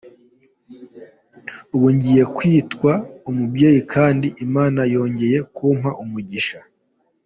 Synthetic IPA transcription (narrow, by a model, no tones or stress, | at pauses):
uβuɲɟije̞kwiːtkwaumubɟe̞ːjikʰaːndiʔimaːnajo̞ːɲɟe̞je̞kuːm̥haʔumuɟiʃa